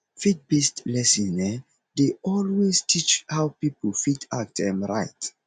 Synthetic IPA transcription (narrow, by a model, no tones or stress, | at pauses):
fit̚bistlɛsĩnɛ | deɔlwestʰit͡ʃhawpipəl̩fitʰak̚ɛ̃mɹaɪt